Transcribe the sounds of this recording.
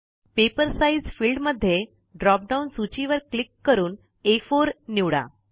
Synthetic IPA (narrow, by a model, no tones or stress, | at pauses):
pepəɾsaid͡zfilɖməd̪ʱːje | ɖɾɔp̚ɖaunsut͡ɕiʋəɾklikːəɾuːn | efoɾniʋɽa̰